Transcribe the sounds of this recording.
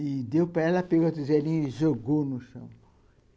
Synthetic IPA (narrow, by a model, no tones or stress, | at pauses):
ɪd̪ewpɾaɛlɐpeɡot̪izɛlĩɲiʒoɡonʊʃɐ̰̃w̃